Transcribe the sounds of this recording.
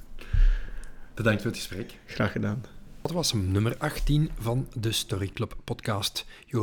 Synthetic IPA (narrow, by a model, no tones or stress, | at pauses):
b̥ədɑŋktfʊːɾətxə̥sprɛk | xraːxədaːnɑtʋɑsnɵmərɑxtinvɑndəstɔɾikləpːɔtkɑːst | joː